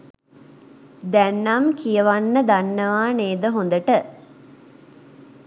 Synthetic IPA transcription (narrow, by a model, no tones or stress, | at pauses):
d̪ænːamkijəʋanːəd̪anːəʋaːneːd̪əɦond̪əʈə